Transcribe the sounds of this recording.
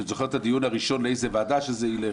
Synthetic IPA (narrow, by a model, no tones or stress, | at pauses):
ezoχet̪ʰad̪ijunhaʁiʃo̞nleejzevaːdaʃezeile